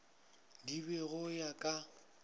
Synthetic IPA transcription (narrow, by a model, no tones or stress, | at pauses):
dibɛɣʊjakʼa